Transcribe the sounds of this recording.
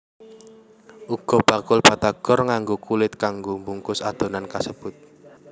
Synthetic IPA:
ʔuɡ̥ɔ̤b̥a̤kʊlpat̪aɡ̥ɔrŋaŋɡokulɪt̪̚kaŋɡombuŋkʊsad̪̥o̤nankasəb̥ʊt̪̚

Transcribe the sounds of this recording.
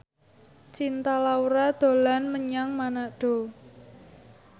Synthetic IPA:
t͡ʃint̪alauɾad̪̥o̤lanməɲaŋmanaɖ̥o̤

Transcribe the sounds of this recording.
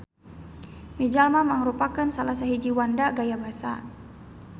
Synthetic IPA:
mid͡ʒalmaməŋɾupakansalas̬aɦid͡ʒiwandaɡajabasa̰

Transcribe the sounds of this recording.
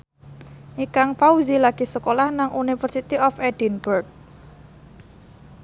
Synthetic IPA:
ʔikaŋfauzilaɡ̥i̤səkolahnaŋʔunifərsit̪iɔfɛd̥inburk̚

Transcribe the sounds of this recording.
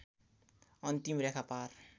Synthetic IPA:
ʌnt̪imrjakʰapar

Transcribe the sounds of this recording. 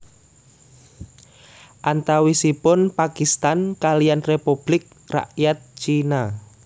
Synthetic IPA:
ʔant̪awisipʊnpakist̪ankalijanrepub̥lɪk̚ | ra̰ʔjat̪̚t͡ʃina

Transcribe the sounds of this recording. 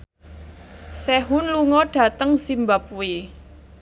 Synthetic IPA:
sɛɦʊnluŋɔɖ̥ä̤t̪əŋsimbap̚ui

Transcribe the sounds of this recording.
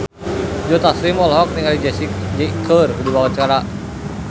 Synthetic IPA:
d͡ʒot̪asɾimɔlɦɔk̚niŋalid͡ʒɛsid͡ʒekʰərdibawat͡ʃəkaɾaʔ

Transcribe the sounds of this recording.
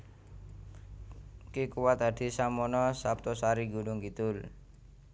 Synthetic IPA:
kikuwat̪̚ad̪̥i̤samɔnɔsap̚t̪ɔsaɾiɡunʊŋkit̪ʊl

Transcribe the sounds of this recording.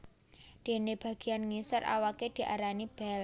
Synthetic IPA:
d̪̥e̤neb̥a̤ɡ̥i̤anŋisərʔa̰waked̪̥i̤ʔa̰ɾanib̥ɛl

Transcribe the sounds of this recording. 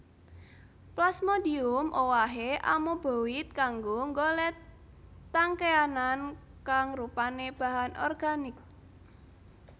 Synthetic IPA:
plasmodiʊmʔowaɦeʔa̰mob̥o̤wɪt̪̚kaŋɡoŋɡolɛ | t̪aŋkeanan | kaŋrupaneb̥a̤ɦanʔɔ̰rɡ̥anɪk̚

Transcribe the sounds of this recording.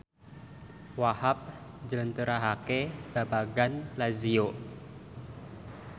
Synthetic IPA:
wahap̚d͡ʒələnt̪əɾaɦakeb̥abaɡanlazio

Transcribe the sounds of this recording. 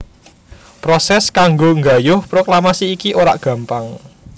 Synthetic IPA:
pɾɔsɛskaŋɡoŋɡa̤jʊhpɾoklamasiːkiʔoɾa̰ʔɡ̥ä̤mpaŋ

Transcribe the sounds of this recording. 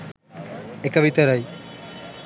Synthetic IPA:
ekaβit̪eɾaj

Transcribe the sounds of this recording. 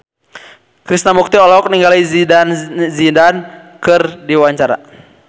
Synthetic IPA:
kɾisnamuk̚t̪iɔlɔk̚niŋɡalizidanzidankɨrdiwaɲt͡ʃaɾa̰

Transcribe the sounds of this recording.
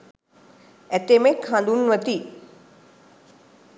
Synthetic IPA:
æt̪emekhãnd̪unʋət̪i

